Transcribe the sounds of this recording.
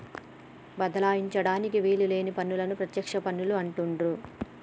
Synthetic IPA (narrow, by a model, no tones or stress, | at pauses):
bɐd̪ɐlaːjiɲt͡ʃɐɽaːnikiʋiːlule̞ːnipɐnːulɐnupɾɐt̪jɐkʂɐpɐnːuluɐɳʈuɳɖu